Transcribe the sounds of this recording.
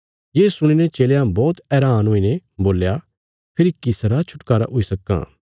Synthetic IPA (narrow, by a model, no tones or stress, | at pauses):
jeːsʊɽ̃inet͡ʃeːljãbɔːt̪ɛːɾaːnɦoːinẽboːlja | pʰɪɾikɪsɾat͡ʃʰʊʈkaːɾa̰ʔɦoːisɐkːã̰